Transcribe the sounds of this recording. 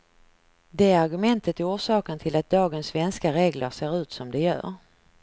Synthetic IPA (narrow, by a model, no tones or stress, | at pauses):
d̪ɛæɾaɾɡɵmɛnt̪ət̪ɛuːʂɑːkənt̪ʰɪlat̪̚d̪ɑːɡənsːvɛnskaɾeːɡlə̰ɾseːɾʉ̟ːt̪sɔmd̪ɛjœ̰ːɾ